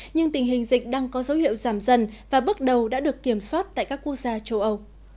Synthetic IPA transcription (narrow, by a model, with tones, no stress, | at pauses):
ɲɨ˧ŋt̪ï˨˩ŋ̟ɦï˨˩ŋ̟zḭ˧˨k̟̚ɗaː˧ŋkɔ˨˦zə˨˦whḭ˧˨əwzaː˧˩mzə˧˩nvaː˨˩ɓɨ˦˥ək̚ɗə˨˩wɗa̰ː˧˥ɗɨ˨˩əkːi˧˩əmswaː˦˥t̚t̪a̰ː˧˨kaː˦˥kːu˦˥ək̚zaː˧t͡ɕə˧wʔə˧w